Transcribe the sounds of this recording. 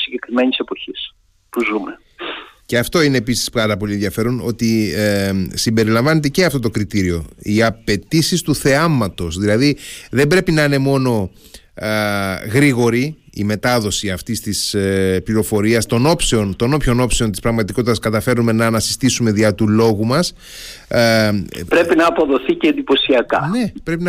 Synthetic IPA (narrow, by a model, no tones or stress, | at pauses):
siɲɟekɾimenisepo̞çis | puzume | ceɐft̪o̞ineːpisi̥spɐɾɐpo̞lienðʝɐfe̞ɾo̞no̞t̪i | simbe̞ɾilɐɱvɐne̞t̪̬e̞ceɐft̪ot̪o̞kɾit̪iɾio̞iɐpe̞t̪isist̪uθe̞ɐmɐt̪o̞sðilɐðiðe̞mbɾe̞pinɐine̞mo̞no̞ | ɣɾiɣo̞ɾiː | me̞t̪ɐðo̞siɐft̪ist̪ispliɾo̞fo̞ɾiɐst̪o̞no̞pseo̞nt̪o̞no̞pço̞no̞pse̞o̞nt̪ispɾɐɣmɐt̪iko̞t̪it̪ɐskɐt̪ɐfe̞ɾume̞nɐːnɐsi̥st̪isume̞ðiɐt̪ulo̞ɣumɐs | pɾe̞pinɐːpo̞ðo̞θiceend̪ipo̞siɐkɐ̰ne̞pɾe̞pinɐ